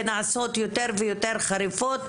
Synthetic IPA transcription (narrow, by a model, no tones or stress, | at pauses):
naʕaso̞t̪jot̪eʁvejot̪eʁχaɾifot̪